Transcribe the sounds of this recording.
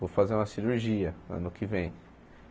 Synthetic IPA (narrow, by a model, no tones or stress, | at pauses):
vofazeɾũmɐsiɾuɾʒiɐɐ̰̃nʊkɪvẽj̃